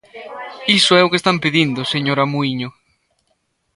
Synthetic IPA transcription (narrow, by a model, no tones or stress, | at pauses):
isʊɛʊkest̪ampeðind̪ʊseɲoɾamuiɲʊ